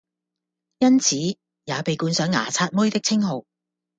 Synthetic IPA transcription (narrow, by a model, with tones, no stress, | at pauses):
jɐ˥nt͡sʰiː˨˥ | jaː˨˧pe˨jkuː˨˧nsœː˨˥ŋːa̰ː˨˩t͡sʰaː˧t̚mʊ˥jt̪ɪ˥k̚t͡sʰɪ˥ŋɦo˨w